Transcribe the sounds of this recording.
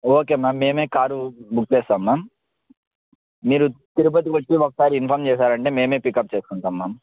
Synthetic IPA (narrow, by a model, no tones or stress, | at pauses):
oːke̞ːmaːmːeːme̞ːkaːɾubukt͡ʃeɛːst̪aːmːaːm | iːɾut̪iɾup̬ɐt̪̬ikɐt͡ʃːiɔkːɐ̥saːɾiinpʰaːɾmt͡ʃɛːʃaːɾɐɳʈe̞ːmeːmeːpikːɐp̚ːt͡ʃeːsu̥kuɳʈaːmːaːm